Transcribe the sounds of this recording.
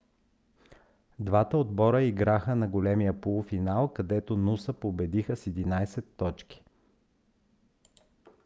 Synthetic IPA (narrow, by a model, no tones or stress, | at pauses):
d̪vat̪əod̪bɔɾəiɡɾaxənɐɡolɛmijəpolˠfinalˠkɐd̪ɛt̪onusəpobɛd̪ixəsɛd̪inajsɛt̪ːɔt͡ʃki̥